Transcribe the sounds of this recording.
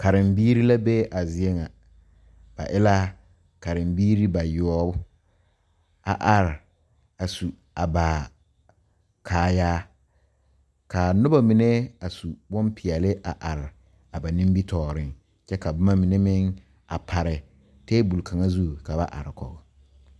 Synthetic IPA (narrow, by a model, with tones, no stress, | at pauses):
ka˨ɾɪ˨mbiː˦ɾi˦la˦bɛ˦ʔa˨zɪ˨e˦ŋa˨ | b̥a̰˨ʔɪ˦la˦ | ka˨ɾɪ˨mbiː˦ɾi˦ba˨jʊ˦ɔ˦bʊ˦ | a̰˨ʔa˨ɾɪ˨ | a˨su˨ | a˨ba˨ | kʰaː˨jaː˦ | kʰa˨nʊ˦ba˦mɪ˨nɛ˦a˨su˨bɔ˦mpʰɪ˨ɛ˨lɪ˦ʔa˨ʔa˨ɾɪ˨ | a˨ba˨nĩ˦mbi˦tʰɔː˨ɾɪ˦ŋ | t͡ʃɛ˦ka˨bʊ˦ma˦mɪ˨nɛ˦mɪ˦ŋ | a̰˨pʰa˨ɾɪ˨ | teː˦bu˨lkʰa˨ŋa˦zu˦˨ka˨ba˦ʔa̰˨ɾɪ˨kɔ̰˨ɡ